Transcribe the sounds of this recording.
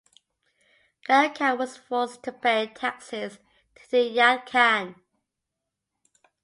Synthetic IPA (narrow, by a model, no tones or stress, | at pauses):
ð̥əɹkʰəwɒz̥fɔˑstʰəpʰeɪtʰaksəs | tʰəðəjakʰan